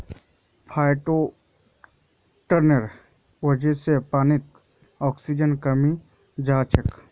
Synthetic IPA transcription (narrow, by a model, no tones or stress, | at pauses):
pʰaːɪʈo | ʈəɾnəɾ | wəd͡ʒesepaːnɪt̪ | ɔːksid͡ʒənkəmi | d͡ʒaːt͡ʃək